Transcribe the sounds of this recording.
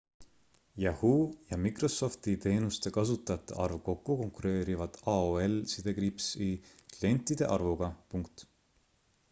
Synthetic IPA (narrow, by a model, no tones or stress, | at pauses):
jɑhuːjɑmikrɾo̞so̞ft̪it̪e̞ːnust̪e̞kɑsut̪ːˑɑjɑt̪ːˑḛʔɑrvko̞kːuko̞ŋkuɾe̞ːɾivɑd̪̥ɑoe̞lsid̪̥e̞kɾipsiklie̞nt̪ːˑid̪̥e̞̰ʔɑrvuɡ̥ɑpuŋk̚t̪